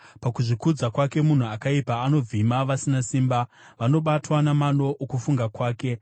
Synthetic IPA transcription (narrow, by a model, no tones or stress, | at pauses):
pakuʐikud͡zakwake̞mun̤uakaipaːno̞b͡vimaʋasinasiːmba | ʋano̞ɓatwanamano̞ʔːkufuŋɡakwaːke̞